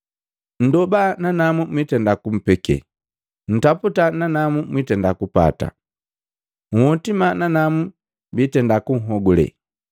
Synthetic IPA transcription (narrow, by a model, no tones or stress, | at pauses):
n̩dɔbananamumwitɛndakum̩pɛkɛ̰ | n̩taputananamumwitɛndakupa̰ta̰ | ŋ̩hɔtimananamu | bitɛndakuŋ̩ɦɔɡɔlɛ̰